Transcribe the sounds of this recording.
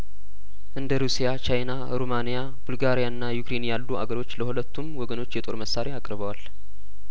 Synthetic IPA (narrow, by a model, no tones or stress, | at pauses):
ʔɨnd̪əɾusijat͡ʃajna | ɾomanija | bulɡaɾijaɨnːajukɾe̞njalːuʔa̰ɡəɾo̞t͡ʃːləhulət̪ʰːumwɔɡəno̞t͡ʃːjɛt̪ʼo̞̰ɾməsaɾeakʼɾβəwal